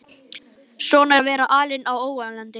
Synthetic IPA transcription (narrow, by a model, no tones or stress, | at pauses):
sɔːnavɛːɾaʔaːlɪnawoːwanlant̪ɪ